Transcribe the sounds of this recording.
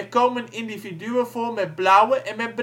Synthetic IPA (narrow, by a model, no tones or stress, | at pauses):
koːmənindividyəvoːmɛt̚blawəʔɛnmɛt̚b